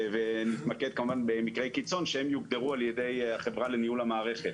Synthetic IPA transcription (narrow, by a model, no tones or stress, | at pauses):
venit̪maked̪̚kamuvanbemikʁejkit͡so̞nʃehemjuɡd̪eʁualjed̪ejaχevʁalenijulhamaːʁe̞χet